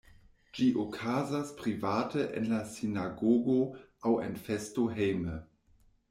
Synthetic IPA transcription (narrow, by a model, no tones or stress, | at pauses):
d͡ʒiʔokʰazaspɾivatəʔḛnlasinaɡoɡoawḛnfestoɦejmə